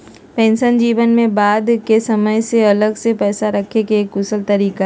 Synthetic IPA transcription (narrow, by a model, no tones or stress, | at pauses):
pɛ̃ːnsənd͡ʒiːʋənmẽbaːd̪kesɐməjseɐləɡsepɛːsaɾɐkʰekeeːkɡʊsəlt̪ɐɾiːka